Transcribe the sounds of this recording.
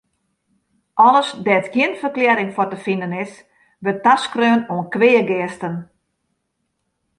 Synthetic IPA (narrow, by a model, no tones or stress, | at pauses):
ʔɔləsdɛətjjɪənfərklɛːɾɪŋfɔrtəfindənɪs | bøtaskrøːnoənkʋɪːəɡɪəstən